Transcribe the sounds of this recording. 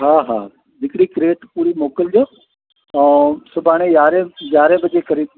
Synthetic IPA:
ɦaːɦa̰ː | d͡ʒɪkɽikɾeːʈpuːɾimoːkəld͡ʑõː | sʊbʱaːɽ̃ẽjaːɾeɡjaːɾebɐd͡ʒekɐɾiː

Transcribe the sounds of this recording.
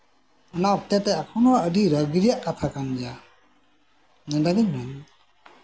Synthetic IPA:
ɔnaɔp̚t̪ɛtɛakʰɔnɔədiɾəɡɾijaʔkat̪ʰakand͡ʒa | nɯdadimaɲ

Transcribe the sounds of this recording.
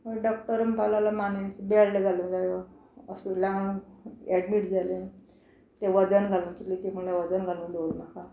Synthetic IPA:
məɖɔk̚ʈəɾəmpalalamanent͡sebeaɭleɡʱalũd͡zajo | əspiʈlam | ɛɽmiːʈd͡zale | t̪eʋəd͡zənɡʱalũːkilit̪em̤uɭaʋəd͡zənɡʱalũːd̪oɾnaka

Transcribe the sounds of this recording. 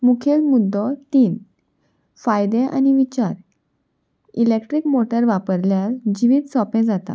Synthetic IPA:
mukʰelmud̪ʱːɔt̪iːn | fajd̪ẽʔa̰ñiʋit͡ɕaɾ | ilekʈɾikmoʈəɾʋapəɾljald͡ʑiʋiːd̪sɔpẽd͡zat̪a̰

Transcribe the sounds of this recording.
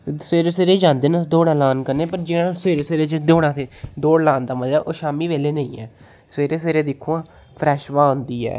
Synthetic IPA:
seːɾeːseːɾeːd͡ʒãːnd̪eːnãd̪oːɽɛːlaːnkəɾneːpəɾd͡ʒɪːãseːɾeːseːɾeːd͡ʒd̪oːɽãːt̪ʰeːd̪oːɽlãːnd̪aːməd͡ʒaːʔoːʃaːmiːʋeːleːnəḭ̃ːɛ̰ː | seːɾeːs̬eːɾeːd̪ɪkʰːuãː | pʰɾɛːʃʋãːõnd̪iːɛ̰ː

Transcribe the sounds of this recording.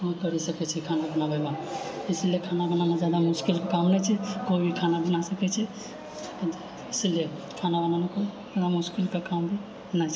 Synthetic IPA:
kɔɦ̪kəɾisəkɛt͡ʃʰɛkʰanabənabʱəɡaɪsliekʰanabənanazjad̪amʊskɪlkakamnɛt͡ʃʰɛkoibʱikʰanabənasəkɛt͡ʃʰɛ | ɪslie | kʰanabənanakozad̪amʊskɪlkakambʱi | nat͡ʃʰɛ

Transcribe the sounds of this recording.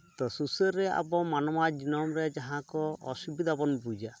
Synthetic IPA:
t̪ɔsusɔɾːɛa̰bɔmanɔmad͡ʒinɔmɾed͡ʒaɦãkɔɔsubid̪abɔnbud͡ʒa

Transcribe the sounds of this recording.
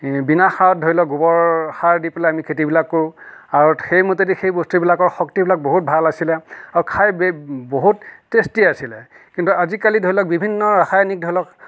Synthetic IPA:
binaxaɹɔt̚dʱoɹilɔk̚ɡubɔɹxaɹdipelɛamikʰetibilakːoj̃aɹuxejmotetixejbostibilakɔɹxɔktibilak̚boɦut̚bʱalasilɛaɹukʰajbboɦutːestiasilɛ | kintuazikalidʱoilɔk̚bibʱinːɔɹaxajnik̚dʱoɹilɔk

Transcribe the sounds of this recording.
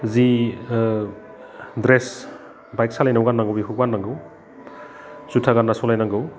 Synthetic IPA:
zi | dɾes | bajk̚salajnawɡanːaŋɡowbiɦuɡanːaŋɡɯw | zutʰaɡanːasɔlajnaŋɡɯw

